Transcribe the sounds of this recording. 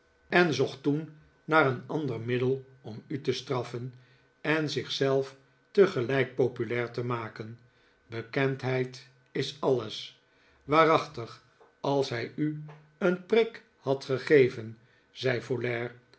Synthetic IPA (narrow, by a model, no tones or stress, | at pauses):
ɛnzɔχtun | naːɾənɑndərmɪdəlˠ | ɔmytəstrɑfən | ɛnzɪχsɛlˠf | təχəlɛjk̚popylɛːɹtəmaːkən | bəkɛntɦɛjt | ɪsɑləs | ʋaːrɑχtəχ | ɑlˠsɦɛjy | ənprɪk | hɑtχəχejvən | z̥ɛjfolɛːɹ